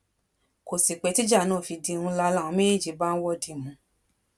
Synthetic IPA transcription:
ko˨si˨k͡pɛ˨˧˦ti˦d͡ʒa˦˨˦nãː˦˨fi˧di˧ũ˧la˧la˦˨ã˨˧me˦e˦˨d͡ʒi˨˦ba˦n̩˦wɔ˦di˨mũ˨˧˦

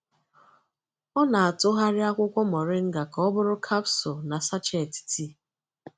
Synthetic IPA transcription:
ɔ˦na˨a˨tʊ˦ɦa˦ɾɪ˦a˦kʷʊ˦kʷɔ˦mɔ˨ɾɪ˦ŋ̩˦ɡa˨ka˨ɔ˦bʊ˦ɾʊ˦kʰa˦psɔ˨na˨sa˦t͡ʃe˦˨ti̥˨ti˦

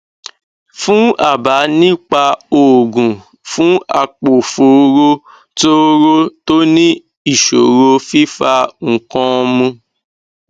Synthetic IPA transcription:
fũ˦a̰˦˨ba˨˦nĩ˦k͡pa˧o˨ɡũ˨ | fũ˨˦a˧k͡po˨fo˨˦ɾo˦ | to˦ɾo˦to˦nĩ˦ | i˦˨ʃo˨ɾo˧fi˦fa˧ŋ̩˨kɔ̃˧mũ˧

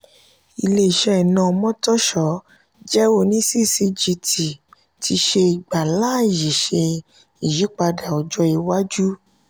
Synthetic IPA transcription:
i˧le˧˦i˨ʃɛ˧˦i˨nã˧˨ɔ˧mɔ̃˦tɔ˦ʃɔ˨˦ | d͡ʒɛ˦o˧nĩ˦si˦si˧d͡ʒi˧tʰi˨ | tʰi˧ʃe˧i˨ɡ͡ba˨la˦˨ji˨ʃe˧ | i˨ji˨˦k͡pa˧da˨ɔ˨d͡ʒɔ˧i˧wa˦d͡ʒu˦

